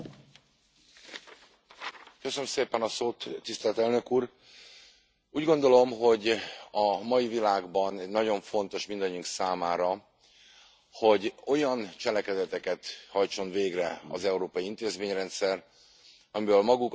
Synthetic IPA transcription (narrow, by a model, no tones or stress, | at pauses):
køsønømseːpɛnɒsoːt̪ːist̪ɛlt̪ɛlnø̞kuːr | uːɟɡo̞nd̪o̞lo̞mɦo̞ɟɒmɒjivilaːɡbɒnɛːɒɟo̞ɱfo̞n̪t̪o̞ʃmind̪ɒɲːuŋksaːmaːɾɒ | ho̞ɟo̞jɒnt͡ʃɛlɛkɛd̪ɛt̪ɛkɛt̪hɒjt͡ʃo̞nveːɡrɛɒ̰zɛuɾoːpɒjiint̪eːzmeːɲrɛnt̪sɛr | ɒmivɛlmɒɡuk